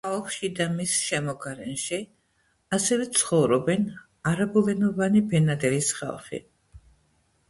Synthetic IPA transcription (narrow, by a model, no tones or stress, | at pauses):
χalˠχʃid̪amisʃɛmɔɡaɾɛnʃi | asɛvɛt̪sʰχɔvɾɔbɛn | aɾabulɛnɔvanibɛnad̪ɛɾisχa̰lˠχḭ